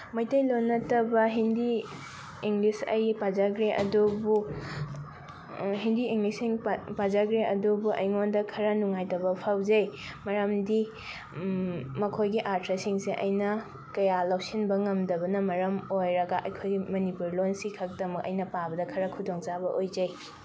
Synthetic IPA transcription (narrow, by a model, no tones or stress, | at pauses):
mɐjtɐjlonːɐtɐbɐɦindiː | ŋɡlisɐ̰jpazaɡɾeʔɐ̰dubu | ɦindiiŋɡlisiŋpazaɡɾeʔɐdubuʔɐ̰jŋondɐkʰɐɾɐnuŋajtɐβɐpʰawzɐjmɐɾɐmdi | mɐkʰojɡiʔaɾtʰɾɐsiŋsiʔɐ̰jnɐ | kɐjalawsinbɐŋɐmdɐbɐnɐmɐɾɐmojɾɐɡɐʔɐjkʰojɡimɐnipuɾlonsikʰɐk̚dɐmɐkɐ̰jnɐpabɐdɐkʰɐɾɐkʰudoŋt͡ʃabɐʔojd͡ʒɐj